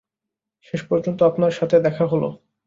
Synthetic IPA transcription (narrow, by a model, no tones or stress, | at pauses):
ʃeʃpɔɾd͡ʑont̪oapnaɾʃat̪ʰed̪ɛkʰaɦolo̰